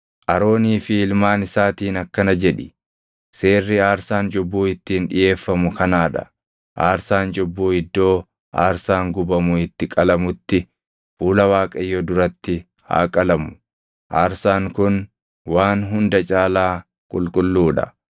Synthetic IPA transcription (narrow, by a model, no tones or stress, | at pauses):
ʔɐɾoːniːfɪɪlmaːnɪsaːt̪iːnɐkːɐnɐd͡ʒɛᶑɪ | se̞ːrːɪaːɾsaːnd͡ʒʊbːuːɪt̪ːiːnᶑɪ̰jʔe̞ːfːɐmʊkɐnaːᶑɐ̰ | ʔaːɾsaːnd͡ʒʼʊbːuːɪd̪ːo̞ː | ʔa̰ːɾsaːŋɡʊbɐmʊɪt̪ːɪkʼɐlɐmʊt̪ːɪ | fuːlɐwaːkʼɐjːɔd̪ʊɾɐt̪ːɪ | ha̰ːkʼɐlɐmʊ̥ | ʔaːɾsaːŋkʊn | waːnɦʊnd̪ɐt͡ʃʼaːlaː | kʼʊ̰lkʼʊlːuːᶑɐ̰